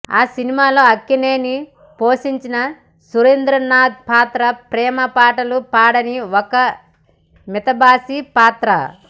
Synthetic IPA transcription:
aːsinimaːlo̞ːɐkːineːni | poːʃiɲt͡ʃinɐ | suɾend̪ɾɐnaːd̪̚paːt̪ɾɐpɾɛːmɐpaːʈɐlupaːɽɐniɔkɐ | mit̪ɐbaːsipaːt̪ɾɐ̰

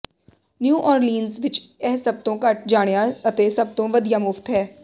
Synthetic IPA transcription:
njuːʔɔːɾliːnzʋɪt͡ʃɛːsəb̚t̪õːkəʈ̚ʰd͡ʒaːɽjaːət̪eːsəb̚t̪õːʋəd̪ijaːmʊft̪ɦɛː

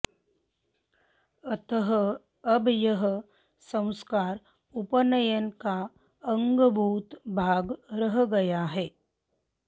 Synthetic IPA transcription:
ət̪ɦə | əbʱjəɦə | sə̃w̃skaːɾ | upənəjənka | əŋɡbʱuːt̪bʱaɡɾəɦɡəjaɦe

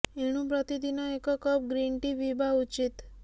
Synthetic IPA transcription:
eɽ̃ũpɾɔt̪id̪inɔekɔkɔp̚ɡɾiɳʈiʋibaut͡ʃit̪

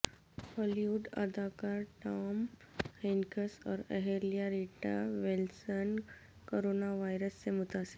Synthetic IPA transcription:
hɔliʋuɖə̰d̪akaɾʈam | henkəsɔ̰ɾəɦelijaɾiʈa̰ʋelsən | koɾonaʋajɾəst͡semut̪ase̥

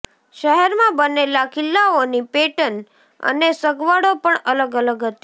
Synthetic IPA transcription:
ʃəɦɛɾmãbənelakɪlːaonipeʈən | ə̰nesəɡʋaɽopəɳələɡələɡɦət̪i̥

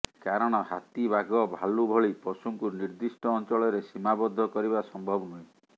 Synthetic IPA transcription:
kaɾɔɽ̃ɔha̰t̪ibaɡɔbʱalubʱɔɭipɔsuŋkuɾniɾd̪isʈɔːnt͡ʃɔɭɔɾesimabɔd̪ʱːɔkɔɾiβasɔmbʱɔbɔnuĩ

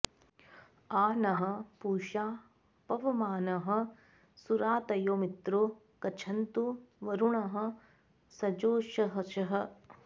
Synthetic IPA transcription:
aːnɐɦɐ̆puːʃaː | pɐʋɐmaːnɐɦɐ̆ | suɾaːt̪ɐjoːmit̪ɾo | kɐt͡ʃʰɐnt̪uʋɐɾuɳɐɦɐ̆ | sɐd͡ʒoːʃɐɦɐʃɐɦɐ̆

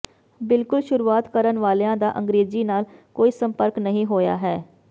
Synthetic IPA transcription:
bɪlkʊlʃʊɾuːaːt̪kəɾənʋaːleãːd̪aːʔəŋɡɾeːziːnaːlkoːiːsəmpəɾknəɦĩːɦoːja̰ːɦɛː

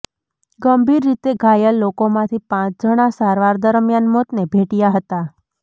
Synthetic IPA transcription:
ɡəmbʱiɾːit̪eɡʱajəllokomãt̪ʰipãt͡ʃd͡ʒʱəɽ̃asaɾʋaɾd̪əɾmjanmot̪nebʱeʈijaɦət̪a

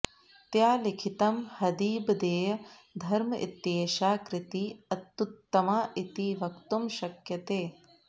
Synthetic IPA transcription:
t̪jaːlikʰit̪ɐmhɐd̪iːbd̪eːjɐd̪ʱɐɾmɐʔḭt̪jeːʃaːkɾɪt̪iɐt̪ːut̪ːɐmaːʔit̪iʋɐkt̪umʃɐkjɐt̪eː

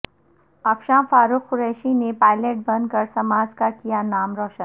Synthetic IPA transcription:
ɐpʃãːfaːɾukkːʊɾɛːʃinepaːɪleːʈ̚bənd̪kəɾsɐmaːd͡ʒkakijanaːmɾɔːʃən

